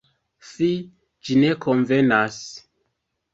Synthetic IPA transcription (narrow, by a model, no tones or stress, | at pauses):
si | d͡ʒine̞kʰonvenas